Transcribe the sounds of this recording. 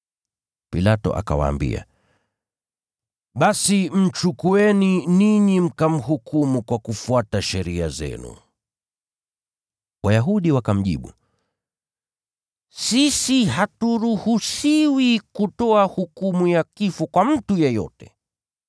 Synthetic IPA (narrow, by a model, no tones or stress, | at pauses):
pilatɔ̰ʔa̰ka̰wa̰ːmbḭa̰ | ɓasim̩t͡ʃukuɛniniɲim̩kam̩hukumukwakufuataʃɛɾia̰zɛ̰nṵ | wajaɦuɗiwakam̩ʄḭɓṵ | sisihatuɾuhusiwikutɔahukumujakifɔkwam̩tujɛjɔ̰tɛ̰